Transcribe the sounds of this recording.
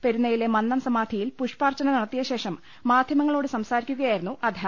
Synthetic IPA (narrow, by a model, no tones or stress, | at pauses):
peɾunːɐjile̞mɐnːɐmsɐmaːd̪ʱijilpuʂpaːrt͡ɕːɐnɐniɽɐt̪ːijɐɕe̞ːʂɐmː | aːd̪ʱjɐmɐŋːɐɭo̞ːɽɨsɐmsaːɾikʲːuɣɐjaːjiɾunːuʔɐd̪ʱjɐ